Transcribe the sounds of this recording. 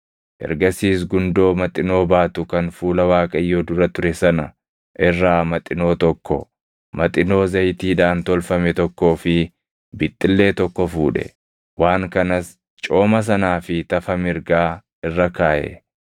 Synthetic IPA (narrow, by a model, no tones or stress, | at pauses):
ʔɛ̰ɾɡɐsiːs̬ɡʊnd̪o̞ːmɐt̪ʼːɪno̞ːbaːt̪ʊkɐnfuːlɐwaːkʼɐɪjːoːd̪ʊɾɐt̪ʊɾɛsɐnɐ | ʔɪrːaːmɐt̪ʼːɪno̞ːt̪ɔkːɔ | mɐt̪ʼɪno̞ːzɐjt̪iːᶑaːnt̪ɔlfɐmɛt̪ɔkːo̞ːfɪ | bɪt̪ʼːɪlːe̞ːt̪ɔkːɔfuːᶑɛ̰ | waːŋkɐnɐs | t͡ʃʼo̞ːmɐs̬ɐnaːfɪt̪ɐfɐmɪɾɡaː | ɪrːɐkaːʔɛ̰